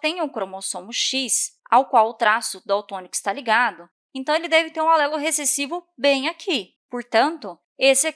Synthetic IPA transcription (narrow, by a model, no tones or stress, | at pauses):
t̪ẽj̃ũkɾomosõmʊʃisa̰wkwawʊt̪ɾasʊd̪ʊawt̪õnɪkʊɪst̪aliɡad̪ʊ | ẽnt̪ɐ̃w̃elɪd̪ɛvɪt̪eɾũalɛlʊɦesesivʊbẽj̃akʰi | poɾt̪ɐ̃nt̪ʊ | esɪɛ